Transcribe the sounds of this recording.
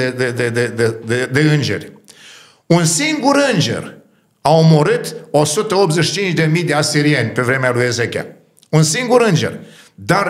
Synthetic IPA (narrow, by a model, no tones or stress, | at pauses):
ed̪ed̪ed̪ed̪ed̪e̞ɨnd͡ʒe̞̰rʲ | unsiŋɡuɾɨnd͡ʒe̞̰r | aomo̞ɾɨt̪o̞sut̪əop̪̚zeʃit͡ʃint͡ʃʲd̪e̞mijd̪easiɾienʲpe̞vɾe̞mealujezekʲea̰ | unsiŋɡuɾɨnd͡ʒe̞̰r | d̪ar